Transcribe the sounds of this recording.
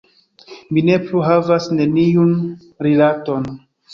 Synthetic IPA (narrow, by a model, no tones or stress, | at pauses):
mine̞pluɦavasne̞niun | ɾilato̞n